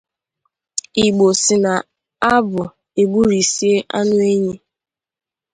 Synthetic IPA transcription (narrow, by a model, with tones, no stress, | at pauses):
i˨ɡ͡bo˨sɪ˨na˨ | a˦bʊ˨ | e˨ɡ͡bu˦ɾi˨si˦e˦ʔa̰˦nʊ˦e˦ɲe˦